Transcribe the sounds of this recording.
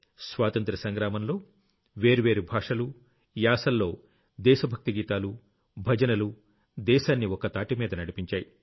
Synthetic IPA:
sʋaːt̪ɐnt̪ɾɐsɐŋɡɾaːmɐnlo̞ː | ʋe̞ːɾuʋe̞ːɾubʱaːʂɐlu | jaːsɐlːo̞ː | d̪ɛːʃɐbʱɐk̚t̪iɡiːt̪aːlu | bʱɐd͡ʒɐnɐlu | d̪ɛːʃaːnːiɔkɐt̪aːʈimiːd̪ɐnɐɽipiɲt͡ʃaːji

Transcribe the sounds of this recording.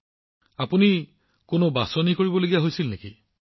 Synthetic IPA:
apuni | konobasɔnikoɹibɔloɡijaɦojsilneki

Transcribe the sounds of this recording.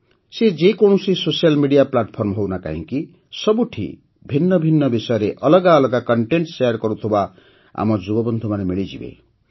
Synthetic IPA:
sed͡ʒekõũsisosijalmiɽijaplaʈpʰɔɾmɦownaka̰ɦḭ̃ki | sʌbuʈʰḭ | bʱinːʌbʱinːʌbisɔjɔɾeʔʌlʌɡaːlʌɡakɔɳʈeɳʈsejaɾkɔɾut̪ʰuba | a̰mɔd͡ʒubɔbɔnd̪ʱumanemiɭid͡ʒḭbḛ

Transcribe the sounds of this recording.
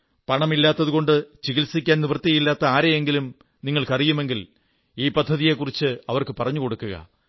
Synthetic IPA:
pɐɳɐmilːaːt̪ːɐðuɣo̞ɳɖɨt͡ɕiɣilsikʲːaːnniʋɐrt̪ːiɐjilːaːt̪ːɐaːɾejeŋɡilum | niŋːɐɭkɐrijume̞ŋɡil | iːpɐd̪ʱːɐðije̞kːurit͡ɕːɨɐʋɐrkɨpɐrɐɲːuko̞ɽukːuɣɐ̰

